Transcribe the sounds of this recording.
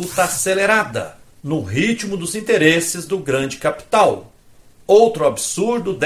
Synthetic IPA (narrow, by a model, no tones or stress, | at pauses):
ut̪ɐaseleɾad̪ɐ̰ | nʊɦit͡ʃmʊd̪ʊzĩt̪eɾesɪzd̪ʊɡɾɐ̃d͡ʒɪkapi̥t̪aw | owt̪ɾʊabsuɾd̪ʊd̪